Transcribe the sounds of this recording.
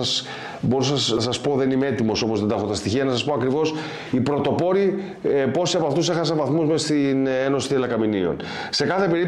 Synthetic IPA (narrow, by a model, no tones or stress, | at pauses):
ɐs | bo̞ɾusɐɐsɐspo̞ðe̞nimeet̪imo̞so̞mo̞zðe̞nd̪ɐxot̪ɐst̪içiɐnɐsɐspo̞ɐkɾivo̞s | ipɾo̞t̪o̞po̞ɾi | po̞siɐpoɐft̪use̞xɐsɐɱvɐθmuzmest̪ineno̞si̥t̪ielɐkɐminio̞̰n | se̞kɐθe̞pe̞ɾi